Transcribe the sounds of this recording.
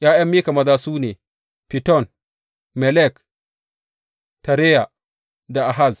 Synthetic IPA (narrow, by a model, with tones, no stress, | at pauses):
jaː˦jɐ˦mːiː˦ka˨mɐ˦zaː˦suː˦neː˨ | pi˨tɔ˦˨n | mɛ˨lɛ˦˨k | ta˨ɾɛ˦ja˨ | da˨ʔa˨ɦa˦˨z